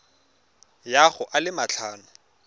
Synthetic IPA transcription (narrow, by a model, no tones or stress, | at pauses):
jaχʊʔalɪmat͡ɬʰaːnʊ